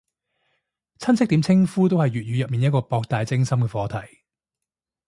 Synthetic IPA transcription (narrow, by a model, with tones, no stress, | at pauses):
t͡sʰɐ˥nsɪ˥k̚t̪iː˨˥mt͡sʰɪ˥ŋfuː˥t̪o˥whɐ˨jɥyː˨t̚jyː˨˧jɐ˨p̚mi˨njɐ˥t̚kɔː˧pɔː˧k̚t̪aː˨jt͡sɪ˥ŋsɐ˥mkɛː˧fɔː˨˧t̪ʰɐ˨˩j